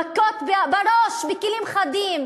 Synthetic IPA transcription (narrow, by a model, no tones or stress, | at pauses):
kːot̪bbaɾoʃbekelimχad̪im